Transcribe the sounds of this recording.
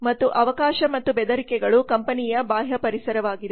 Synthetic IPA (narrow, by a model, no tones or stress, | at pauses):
mɐt̪ːuʔɐʋɐkaːʃɐmɐt̪ːubɛd̪ɐɾikɛɡɐɭukɐmpɐnijɐbaːɦjɐpɐɾisɐɾɐʋaːɡid̪e